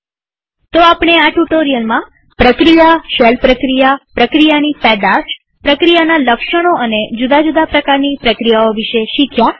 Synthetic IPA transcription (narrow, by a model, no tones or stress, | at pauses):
t̪oapɽ̃eaʈuʈoɾijəlmã | pɾəkɾijaʃɛlpɾəkɾijapɾəkɾijanipɛd̪aʃ | pɾəkɾijanaləkʃəɽ̃oəned͡ʒud̪ad͡ʒud̪apɾəkaɾnipɾəkɾijaoʋiʃeʃikʰja